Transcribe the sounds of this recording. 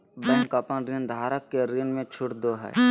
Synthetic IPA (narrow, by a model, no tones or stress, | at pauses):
bə̃ŋkɐpənɾind̪ʱaːɾəkːeɾɪnmẽt͡ʃʰʊʈd̪oɦɛ̰ː